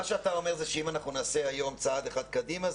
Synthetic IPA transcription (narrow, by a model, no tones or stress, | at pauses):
aʃeatao̞me̞ʁzeʃeimanaχnunaːse̞ajo̞mt͡saad̪eχad̪̚kad̪ima